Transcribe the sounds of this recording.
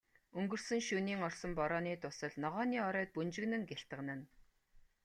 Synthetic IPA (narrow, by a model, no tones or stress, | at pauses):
ɵŋɡɵ̆r̥sɘ̆ŋʃuniːŋɔrsə̆mpɔɾɔːniːt̪ʊsə̆ɮnɔʁɔːniːɔɾœːt̪̚punt͡ɕɪ̆ɣnɘ̆ŋɡeɬt̪ə̆ʁnə̆n